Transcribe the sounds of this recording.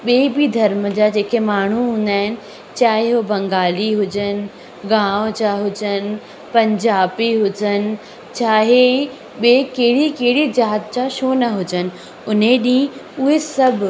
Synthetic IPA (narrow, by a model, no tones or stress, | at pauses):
ɓeːbid̪ʱɐɾməd͡ʑad͡ʑeːkemaːɳ̤uɦũːn̆d̪aːɦɪnɪ̆ | t͡ɕaːɦeobɐ̃ŋɡaːliɦʊd͡ʑən | ɡãːʋ̃d͡ʑaɦʊd͡ʑən | pɐ̃ɲd͡ʑaːbiɦʊd͡ʑənɪ̆ | t͡ɕaːɦe | ɓekeɦɪɽikeɦɪɽid͡ʑaːd̪t͡ɕaʃoːnɐɦʊd͡ʑənɪ̆ | ʊneɗĩʊɦesɐbʱ